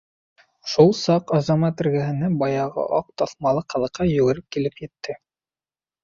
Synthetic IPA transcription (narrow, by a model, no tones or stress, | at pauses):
ʃulˠsɑqɑzɑmɑt̪ɘ̆ɾɡæɦɘ̆næbɑjɑʁɤ̰ʔɑq̚t̪ɑθmɑlˠɤqχɑ̆lˠɤ̆qːɑjɵ̆ɡɘ̆ɾɘp̚kilɘpjɘ̆t̪ʰːɘ